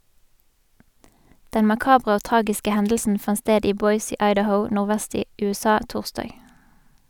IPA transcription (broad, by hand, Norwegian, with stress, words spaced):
ˈdɛn mɑˈkɑːbʁə ˈoː ˈtʁɑːɡɪskə ˈhɛndl̩sn̩ ˈfɑn ˈsteːd ˈiː ˈbɔʏs ˈiː ɑɪdəˈhəʊ ˌnʊʁˈʋæst ˈiː ˌʉːˈsɑː ˈtuːʁstɑːɡ